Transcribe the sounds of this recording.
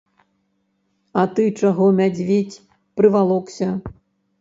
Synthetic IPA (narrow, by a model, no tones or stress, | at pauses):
ɐt̪ɨt͡ʂaɣɔmʲad͡zʲvʲet͡sʲ | pɾɨvalˠɔksʲɐ